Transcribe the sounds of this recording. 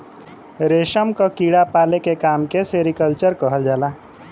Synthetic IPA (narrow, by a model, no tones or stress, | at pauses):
ɾeʃəmkəkiɽapalekekaːmkeseɾikəlt͡ʃəɾkəɦəld͡ʒaːla